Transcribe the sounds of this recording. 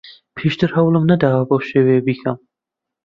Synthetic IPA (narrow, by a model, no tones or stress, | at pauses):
pʰiːʃt̪ʰɨɾhɐwlˠɨmnɐd̪aːwɐbowʃeːweːbiːkʰɐm